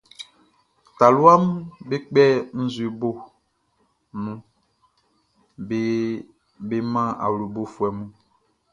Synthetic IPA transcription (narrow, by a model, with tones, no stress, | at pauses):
ta˨lu˦a˦m˦be˦k͡pɛ˦n̩˦zwe˨bo˦ | nũ˦ | be˦mã˦a̰˨lu˨bo˦fwɛ˨mũ˦